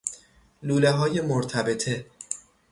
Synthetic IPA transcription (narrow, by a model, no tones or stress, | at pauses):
luːleɦɒːjemoɾt̪ʰæbe̞t̪ʰe